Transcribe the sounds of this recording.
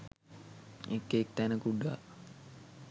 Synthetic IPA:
ekːeːk̚t̪ænəkuɖa

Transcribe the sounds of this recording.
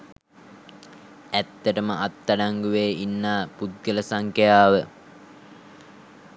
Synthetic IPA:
æt̪ːəʈəməʔat̪ːaɖaŋɡuʋeːinːaːpud̪̚ɡələsaŋkejaːʋə

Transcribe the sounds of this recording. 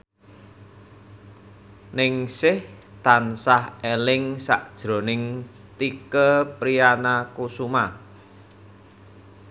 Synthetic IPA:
nɪŋsɪht̪ansahelɪŋsa̰ʔd̥ʒ̥ɾo̤nɪŋ | t̪ikəpɾijanakusuma

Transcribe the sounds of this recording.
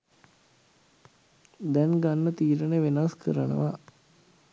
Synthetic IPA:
d̪ɛnɡanːət̪iːɾəneʋenaskʰə̰ɾənə̰ʋa

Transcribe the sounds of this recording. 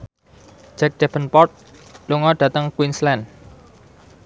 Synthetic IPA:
d͡ʒɛk̚d̥ɛfənpɔrt̪̚luŋɔɖ̥ä̤t̪əŋkwinslɛn

